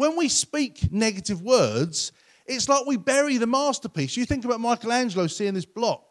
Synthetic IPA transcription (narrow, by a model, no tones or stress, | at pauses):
wə̃nwispiˑknɛɡətɪvwɜːdz̥ | ɪtslaɪkwibɛɹiðəmɑˑstəpʰiˑsjəθɪ̃ŋkəbaʊt̚maɪkəlæ̃nd͡ʒələʊsiɪ̃ŋðɪsb̥lɒk̚